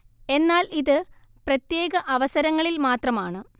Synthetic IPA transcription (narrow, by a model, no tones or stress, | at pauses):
e̞nːaːliðɨ | prɐt̪je̞ːɣɐʔɐʋɐsɐɾɐŋːɐɭilmaːt̪rɐmaːɳɨ